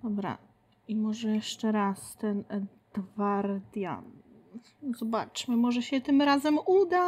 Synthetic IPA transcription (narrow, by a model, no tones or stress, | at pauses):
d̪ɔbɾa̰ | imɔʐɛjɛʂt͡ʂɛɾast̪ɛn | d̪̥vaɾd̪ja̰ | zɔba̰t͡ʂmɘmɔʐɛɕɛt̪ɘmɾazɛmud̪a